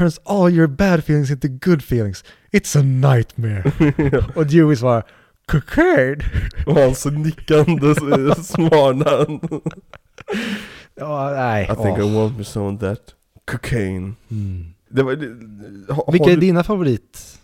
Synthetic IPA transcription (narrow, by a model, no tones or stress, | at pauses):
ə̃ɹnsɔlˠjəɹbæd̪fiːlˠɪ̃ŋs̬ɪ̃nt̪ʊɡʊd̪fiːlɪ̃ŋs | ɪt̪sənaɪt̪mɛɹ | ɔʉwɪsvɑɾ | kʰʊkʰɛɖɔhãnsnɪkːand̪əsmɑːɳan | ɔnæɪaɪθɪ̃kaɪwɑ̃ntmisõnðæt̪ | kʰɔkʰeɪn | d̪ɛvɑ | vɪkːaæɖinafavʊɾiːt̪